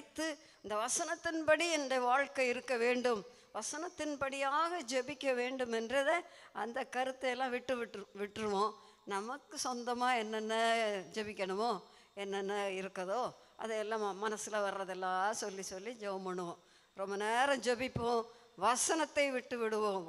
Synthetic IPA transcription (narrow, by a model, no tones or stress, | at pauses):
t̪ːɯ | ɪnd̪ɐʋɐsɐnɐt̪ːɪnpɐɽiɛndɐʋaːɻkɐɪɾɯkːɐʋeːɳɖɯm | ʋɐsɐnɐt̪ːɪnpɐɽɪjaːɣɐd͡ʒɔbɪkʲːɐʋeːɳɖɯmɛndrɐðɯɐ̰nd̪ɐkɐɾɯt̪ːɐɛlːãːʋɪʈːɯʋʈʋɪʈːɾɯʋõː | nɐmɐkːɯsɔnd̪ɐmaːɛnːɐnːɐd͡ʒɔbɪkʲːɐɳɯmoː | ɛnːɛnːɐɪɾɯkːɐðoː | ʔɐ̰ðɐɛlːãːmɐnɐsɪlɐʋɐɾɾɐðɛlːãːsɔlːisɔlːid͡ʒɛʋɐmɐɳɯʋõː | ɾɔmbɐneːɾɐ̃d͡ʒɔbɪpːõː | ʋɐsɐnɐt̪ːɐɪʋɪʈːɯʋɪɽɯʋõːm